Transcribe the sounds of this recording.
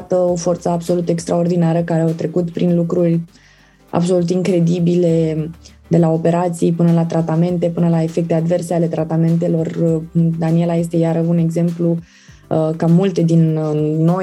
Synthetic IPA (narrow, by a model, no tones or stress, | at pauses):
t̪əo̞fo̞rt̪səabso̞lut̪ekst̪ɾao̞rd̪inaɾəkaɾeawt̪ɾe̞kut̪pɾinlukɾurʲ | a̰bs̬o̞lut̪iŋkɾe̞d̪ibile̞ | d̪e̞lao̞pe̞ɾat̪sijpɨnəlat̪ɾat̪ame̞nt̪e̞pɨnəlae̞fe̞k̚t̪e̞ad̪ve̞rse̞ale̞t̪ɾat̪ame̞nt̪e̞lo̞rd̪anie̞laje̞s̬t̪e̞jaɾəune̞ɡze̞mplu | kamult̪e̞d̪inno̞